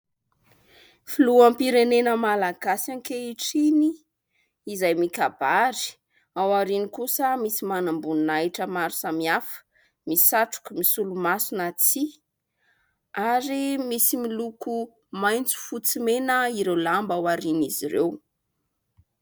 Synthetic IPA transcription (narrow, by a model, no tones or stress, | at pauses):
filuampiɾenenəmalaɡasaŋkeiʈ͡ʂiniː | zajmikabaɾi̥ | awaɾinikusəmisimanambunnajʈ͡ʂəmaɾu̥samiafə̥ | misaʈ͡ʂu̥kumisulumasunat͡si | aɾimisimiluku | majnt͡su̥fut͡simenəiɾewlambawaɾiniziɾew